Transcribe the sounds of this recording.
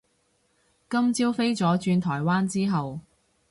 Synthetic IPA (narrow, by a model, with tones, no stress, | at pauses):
kɐ˥mt͡siː˥wfe˥jt͡sɔː˨˥t͡ʃyː˧nt̪ʰɔː˨˩jwaː˥nt͡siː˥ɦɐ˨w